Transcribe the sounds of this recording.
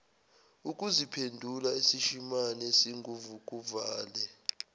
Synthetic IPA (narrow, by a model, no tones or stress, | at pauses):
ukʼuzipʰendʱulaisiʃimanɛsiŋɡʱuvukʼuvaːlɛ